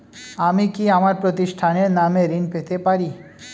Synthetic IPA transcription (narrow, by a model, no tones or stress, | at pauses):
amikiamaɾpɾot̪iʃʈʰaneɾnameɾinpet̪epaɾi